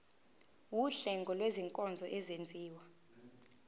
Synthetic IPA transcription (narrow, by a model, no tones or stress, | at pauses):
wuɬɛŋɡʱɔlweziŋkʼɔnd͡zʱɔʔɛzend͡zʱiːwa